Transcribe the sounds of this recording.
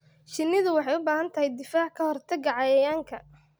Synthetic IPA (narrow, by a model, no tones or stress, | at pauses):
ʃɪnːɪðʊwɑħɑjʊbaːɦɐnt̪ʰɐɦɛjd̪ɪfaːʕkʰɐhɔrt̪ʰɐɡɑʕɑjɐjaːŋkʰɐ